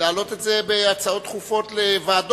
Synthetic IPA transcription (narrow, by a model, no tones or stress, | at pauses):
aːlo̞t̪e̞tzebeat͡sao̞t̪ːχufo̞t̪levaːd